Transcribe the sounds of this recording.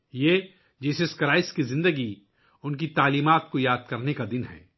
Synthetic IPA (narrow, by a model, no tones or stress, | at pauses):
jeː | d͡ʒeːseskɐɾaːɪskizɪ̃nd̪əɡi | ʊnkit̪aːliːmaːt̪̚kojaːd̪̚kɐɾnekad̪ɪnɦɛ̰ː